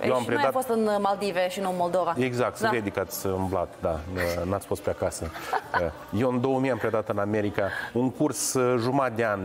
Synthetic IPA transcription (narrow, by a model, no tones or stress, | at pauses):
eamppɾed̪afost̪ɨnmald̪iveʃinunmold̪ovaeɡzak̚t̪sɾed̪ikat̪sʲɨmbla̰t̪d̪anat̪sʲfo̞st̪peakasə | jewɨnd̪o̞wəmijampɾʲed̪at̪ɨname̞ɾikauŋkursʒumat̪̚d̪eanʲ